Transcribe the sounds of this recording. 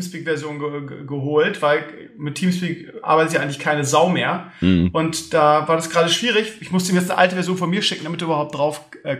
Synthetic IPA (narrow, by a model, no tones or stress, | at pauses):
mspiːkv̥ɛɐzjoːnɡəɡəɦoːltv̥aɪl | mɪtʰːiːmspiːk | ʔa̰ːɐbaɪtəst̬jaaɪɡŋlɪçkʰaɪnəzaʊmeːɐʔʊntd̥aːvaːɐɾasɡ̥ʁaːdəʃv̥iːʁɪçʔɪçmʊstə̥miɐjɛt͡snəʔa̰ltəvɛɐzjoːnfɔnmiːɐʃɪkŋ̩damɪt̚duːʔːbɐhaʊp̚td̥ʁaʊfʔɛː